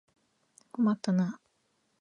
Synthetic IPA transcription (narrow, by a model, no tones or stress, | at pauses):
komat̪ːana